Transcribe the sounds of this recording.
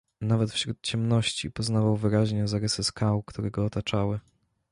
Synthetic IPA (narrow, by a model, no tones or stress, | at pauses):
navɛt̪fɕɾut̪̚t͡ɕɛmnɔɕt͡ɕipɔznavawvɘɾaʑɲɛzaɾɘsɘskawkt̪uɾɛɡɔːt̪at͡ʂawɘ